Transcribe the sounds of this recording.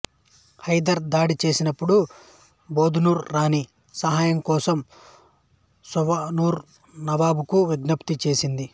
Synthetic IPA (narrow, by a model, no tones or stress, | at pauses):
hɐjd̪ɐɾd̪aːɽit͡ʃe̞ːsinɐpːuɽu | bo̞ːd̪ʱunuːɾɾaːni | sɐɦaːjɐmkɔːsɐm | suʋɐnuːɾ | nɐʋaːbukuʋiɡ̪nɐpt̪it͡ʃe̞ːsind̪i